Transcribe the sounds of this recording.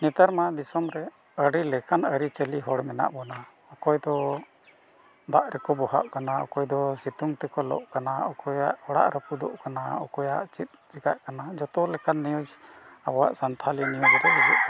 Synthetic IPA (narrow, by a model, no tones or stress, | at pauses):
nɛt̪aɾmad̪isɔmɾɛ | əɾilɛkanəɾit͡ʃəliɦɔɽmɛna̰ʔbɔna | ɔkɔjd̪ɔ | b̪aʔɾɛkɔbɔɦa̰ʔkanaɔ̰kɔjd̪ɔsit̪uŋt̪ɛkɔlɔ̰ʔkanaɔkɔjaʔhɔɽa̰ʔɾəpud̪ɔ̰ʔkanaɔ̰kɔjaʔt͡ʃit̪̚d͡ʒiɡaʔkanad͡ʒɔt̪ɔlɛkanːijud͡ʒa̰bɔwa̰ʔsant̪ʰalinijɔd͡ʒɾɛɦɛd͡ʒṵʔ